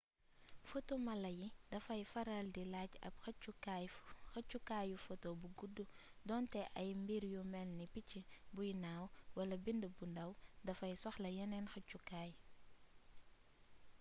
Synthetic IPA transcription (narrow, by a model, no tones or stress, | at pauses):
fɔtomɐlɐjidɐfɐjfɐɾɐldilaɟɐ̰p̚xɐt͡ʃːukajxɐt͡ʃːukajufɔtobuɡudːu | dɔntɛʔɐjmbiɾjumɛlnipicːibujinaːwwɐlɐbindəbundɐwdɐfɐjsɔxlɐjɐnɛnxɐcːukaːj